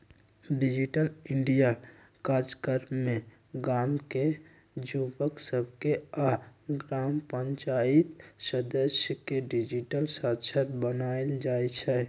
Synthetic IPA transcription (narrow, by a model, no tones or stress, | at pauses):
ɖɪd͡ʒiʈəlɪ̃ɳɖija | kaːd͡ʒkəɾmẽ | ɡaːmke | d͡ʒubəksəb̚ʱkeaɡɾaːmpəɲt͡ʃaːit̪səd̪əsjəkeɖid͡ʒiʈəlsat̪ʃʰəɾbənaːeld͡ʒaːet͡ʃʰɛː